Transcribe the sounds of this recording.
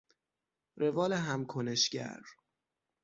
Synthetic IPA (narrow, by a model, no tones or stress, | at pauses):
revɒːleɦæmkʰoneʃɟæ̰ɾ